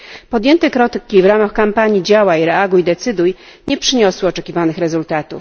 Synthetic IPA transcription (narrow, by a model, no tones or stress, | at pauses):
pɔd̪jɛnt̪ɛkɾɔt̪ɘkʲːivɾamaxkampaɲid͡ʑawaiɾɛaɡujd̪ɛt̪sɘd̪uj | ɲɛpʂɘɲɔswɘɔt͡ʂɛkʲivanɘxɾɛzult̪at̪ṵf